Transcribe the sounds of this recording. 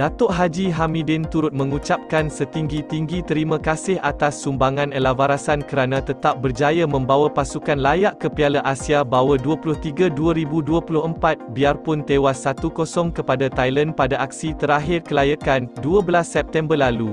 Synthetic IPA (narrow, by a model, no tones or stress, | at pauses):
d̥at̪ɔʔɦad͡ʒiɦamĩdɪnt̪uɾʊt̪̚mə̃ŋut͡ʃap̚kansət̪iŋɡit̪iŋɡit̪əɾimãkasɪhʔat̪asːumbaŋãnəlavaɾasankəɾanãt̪ət̪ap̚bərd͡ʒajamə̃mbawapasukanlajaʔkəpialaʔasiabawaduapulʊht̪iɡaduaɾibuduəpulʊɦəmpat̪̚biarpʊnt̪ewasːat̪ukɔsɔŋkəpadat̪ajlanpadaʔak̚sit̪əɾaɦɪrkəlajakanduəbəlasːɛp̚t̪ɛmbərlalu